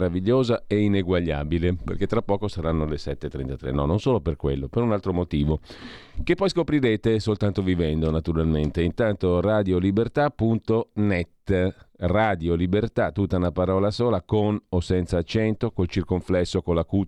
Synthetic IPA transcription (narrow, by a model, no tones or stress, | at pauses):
ɾaviʎːoːzaeineɡwaʎːa̰ːbilepḛrket̪ːɾapːɔːkosaɾanːolesɛt̪ːet̪ːɾḛnt̪at̪ɾḛnɔnːonsoːloperkwḛlːopeɾunalt̪ɾomot̪iːvokepːɔjskopɾiɾeːt̪esolt̪ant̪ovivɛnd̪onat̪uɾalment̪eint̪ant̪oraːd̪jolibert̪apːunt̪onɛt̪ːraːd̪jolibert̪at̪ːut̪ːaunapaɾɔːlasoːlakonosɛnt̪saːt͡ʃːɛnt̪okolt͡ʃirkoɱflɛsːokolaku